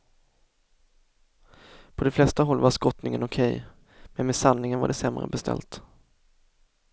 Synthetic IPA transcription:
pʰɔd̪ɛflɛst̪aɦɔlːvaʂkɔt̪nɪŋənʊkʰɛj | mɛnmɛːsannɪŋənva̰ɖɛsɛmɾə̰bɛst̪ʰɛ̰lt̪

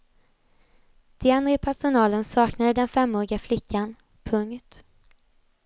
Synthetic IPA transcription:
d̪̥ɪanɾəpʰæʂʊnɑːlənsɑːknad̪əd̪ɛnfɛmːoːɾɪɡaflɪkʰːan | pʰɵŋt̪

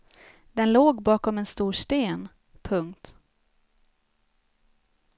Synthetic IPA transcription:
d̪̥ɛnloːɡbɑːkɔmɛnst̪uːʂt̪eːn | pʰɵŋkt̪

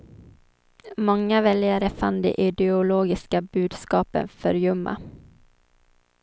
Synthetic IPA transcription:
mɔŋːavɛljaɾəfand̪ɛ̰ʔɪd̪ɛʊloːɡɪskabʉ̟ːd̪skɑːpə̰nfœɾjɵmːa̰

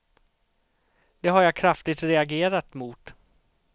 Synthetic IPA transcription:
d̪̥ɛɦaɾjakʰɾaft̪ɪt̪ɾɛaɡeːɾat̪muːt̪

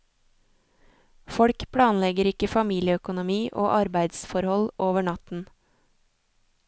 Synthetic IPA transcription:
fɔɽkpʰɽɑːnlɛɡəɾɪkəfɑmiːlɪəœkʊnʊmiːʔo̰ːʔɑɾbæɪd̪sfɔɾhɔloːʋəɳɑt̪n̩

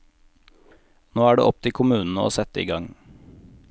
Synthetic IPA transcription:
noːæːɖḛːɔp̚t̪ʰɪkʰʊmʉːnn̩əo̰ːsɛt̪əḭːɡɑŋ

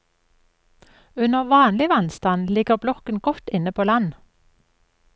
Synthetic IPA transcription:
ʉnəʁʋɑːnlɪʋɑnst̪ɑnlɪɡəʁblɔkənɡɔt̪ɪnəpʰoːlɑn

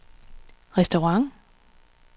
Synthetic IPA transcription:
ʁɛsd̥oʁɑŋ

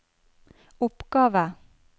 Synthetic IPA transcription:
ʊpɡ̥ɑːʋə

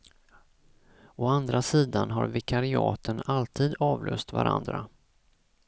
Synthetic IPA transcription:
ɔand̪ɾasiːd̪anɦaɾvɪkʰaɾɪɑːt̪ʰənalt̪ʰiːd̪ɑːvlʔɵːst̪vaɾʔa̰nd̪ɾa

